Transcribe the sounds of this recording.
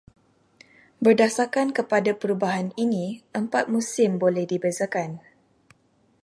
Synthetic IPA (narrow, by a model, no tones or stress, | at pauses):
bərdasakankəpadapəɾubaɦaninĩəmpat̪̚mũsɪmbolɛhdibəzakan